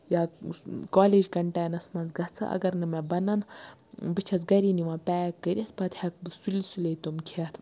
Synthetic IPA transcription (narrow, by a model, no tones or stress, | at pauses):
jaːkaːleːd͡ʒkɐɳʈaːjnɐsmɐnt͡sɡɐt͡sʰɨ̰ʔɐ̰ɡɐɾnɨmebɐnɐn | bɨt͡ʃʰɐt͡sɡɐɾiniʋãːpɛːkːəɾʲɐt̪̚ʰpɐt̪hɐk̚bɨsulisulet̪omkʰet̪ʰ